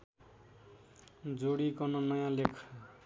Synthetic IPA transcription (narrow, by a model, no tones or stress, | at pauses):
d͡zoɽikʌnʌnʌjãlekʰ